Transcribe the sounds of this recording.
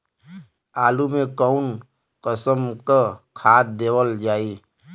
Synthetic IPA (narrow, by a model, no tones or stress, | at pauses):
aːlumẽkəʊn | kəsəmkəkʰaːt̪̚d̪eːwəld͡ʒaːiː